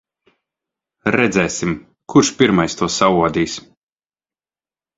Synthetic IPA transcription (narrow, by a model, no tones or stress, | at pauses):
ɾɛd̪zɛːsim | kʰuɾʃpʲiɾmajst̪uɔsavuɔd̪iːs